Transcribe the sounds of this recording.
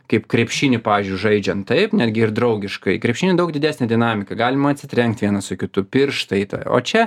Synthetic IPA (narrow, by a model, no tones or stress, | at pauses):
kɐɪpkɾʲɛpʲʃʲiːnʲɪpɑːʋʲiːzʲd͡ʒʲʊɪʒɐɪd͡ʒʲɛnt̪t̪ɐɪpnʲæːd̪ʲɡʲɪɪrd̪ɾɐʊɡʲɪʃkɐɪkɾʲɛpʲʃʲiːnʲɪd̪ɐʊɡdʲɪd̪ʲæːsʲnʲɛd̪ʲɪnɑːmʲɪkɐɡɑːlʲɪmɐɐt̪ʲsʲɪt̪ʲɾʲɛŋk̚t̪ʲʋʲiɛnɐsʊkʲɪt̪ʊpʲɪrʃt̪ɐɪt̪ɐ̰o̰ːt͡ʃʲɛ